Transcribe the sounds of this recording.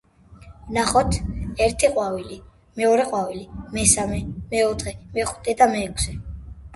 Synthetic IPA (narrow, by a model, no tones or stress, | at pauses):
naχɔt̪ʰɛɾt̪ʰiqʼwavili | mɛɔɾɛqʼwavilimɛsamɛmɛɔt̪ʰχɛmɛχu̥t̪ʰʼɛd̪amɛːkʰsɛ